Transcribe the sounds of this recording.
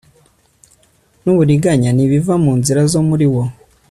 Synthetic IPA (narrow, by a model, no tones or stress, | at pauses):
nuβuɾiɡaɲaniβivamuːnziɾazo̞muɾiwo